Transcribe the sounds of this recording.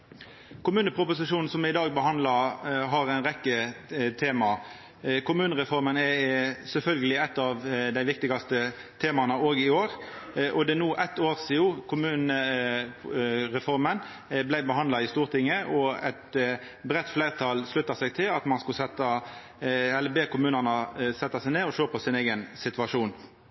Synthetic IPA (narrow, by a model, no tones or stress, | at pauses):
kʰʊmʉːnəpʰʁʊpʊs̬ɪʂuːn̩sɔmɪd̪ɑːɡ̚bəɦɑnd̪lɑɦɑɾæɪnʁɛkːət̪ʰeːmɑ | kʰʊmʉːnəʁɛfɔɾmənɛsɛlfœlɡəlɪɛt̪ːɑʋd̪æɪʋɪk̚t̪ɪɡɑst̪ə | t̪ʰeːmɑnəoːɡɪoːɾʔɔd̪ɛnuːʔæt̪oːʁsɪuːkʰʊmʉːnə | ʁɛfɔɾmən | blæɪbəhɑnd̪lɑɪst̪uːʁt̪ʰɪŋːəʔɔɛt̪ | bʁɛt̪ːflæɪʁt̪ʰɑlslʉt̪ːɑsɛɡ̚t̪ʰɪlɑt̪mɑnskʉlsɛt̪ːɑ | ɛlːəbeːkʊmʉːnənəsɛt̪ːɑsæɪneːɔʃøːpʰɔsɪneɪɡənsɪt̪ʋɑʂuːn